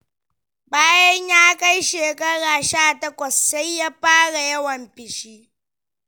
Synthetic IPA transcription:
baː˦jɐ˦ɲjaː˦ka˦jʃeː˨kɐ˦ɽaː˨ʃaː˦˨tɐ˦kʷɐ˨sːa˦jːaː˦ɸaː˦ɽa˨jɐ˦wɐ˨mɸɪ˨ʃiː˦

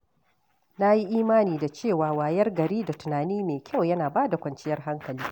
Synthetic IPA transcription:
na˦ji˦ʔiː˦maː˦niː˨da˨t͡ʃeː˦˨waː˨waː˨jɐ˦rɡɐ˨ɾiː˦da˨tʊ˨naː˨niː˦meː˨kʲɐ˦˨wjɐ˦naː˨baː˦da˨kʷɐ˨nt͡ʃɪ˦jɐ˦rɦa˦ŋkɐ˨liː˦

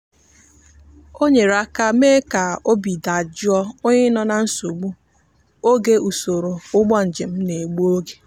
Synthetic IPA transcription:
o˦ɲe˨ɾa˦ka˦me˦ka˨o˦bi˨da˨d͡ʒi˦ɔ˦o˦ɲe˦nɔ˦na˨n̩˦so˨ɡ͡bu˦ | o˦ɡe˦u˨so˨ɾo˨ʊ˦ɡ͡bɔ˦n̩˨d͡ʒe˨m̩˦ne˨ɡ͡bu˦o˦ɡe̥˨

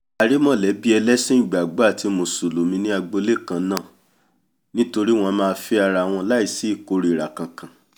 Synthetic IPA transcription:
a˧ɾi˦mɔ̃˦˨lɛ˨˦bi˦ɛ˧lɛ˦sĩ˦˨ɡ͡ba˨ɡ͡ba˦˨ti˧mo˧su˨lo˨mĩ˧nĩ˦a˧ɡ͡bo˧le˦˨kã˨˧˦nã˦˨ | nĩ˦to˧ɾi˦w̃ɔ̃˧mãː˧fi˧˦a˧ɾa˧˨w̃ɔ̃˧la˦i˦˨si˦i˦˨ko˨˦˧ɾi˧i˨ɾa˨kã˨kã˨

